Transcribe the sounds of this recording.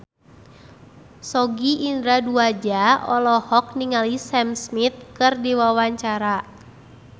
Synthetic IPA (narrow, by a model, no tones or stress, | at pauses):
sɔɡiʔːndɾaduad͡ʒaɔlɔhɔk̚niŋalisɛmsmit̪̚kɨrdiwawaɲt͡ʃaɾa